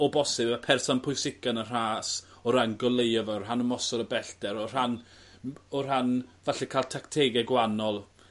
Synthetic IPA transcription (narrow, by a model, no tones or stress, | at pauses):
ɔbɔsɪbəpʰɛrsɔnpʰʊjsɪkanər̥aːs | ɔɾanɡɔlˠejɔvɔrhanəmɔsɔɾəbɛɬdɛɾɔr̥an | ɔr̥anvaɬɛkʰaːlˠtʰaktʰeɡɛɡwanɔlˠ